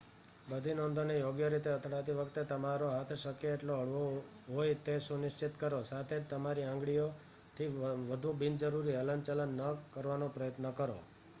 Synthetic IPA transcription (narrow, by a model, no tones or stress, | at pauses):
bəd̪ʱinond̪onejoɡjəɾit̪eət̪ʰɽat̪iʋəkt̪et̪əmaɾoɦat̪ʰʃəkeːʈloəɭʋo | ɦojt̪eʃũnɪʃt͡ʃɪt̪kəɾosat̪ʰed͡ʒt̪əmaɾiãŋɡɭijo | t̪ʰiʋəd̪ʱũbind͡ʒəɾuɾiələnt͡ʃələnːəkəɾʋanopɾəjət̪nəkəɾo̰